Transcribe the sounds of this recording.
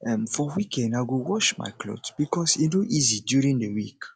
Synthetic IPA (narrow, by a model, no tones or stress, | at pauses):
ɛ̃mfɔwikʰɛ̃ndaɪɡowɔʃma̰ɪkʰlo̰db̥ikʰɔsinoʔizidjuɹĩndəwik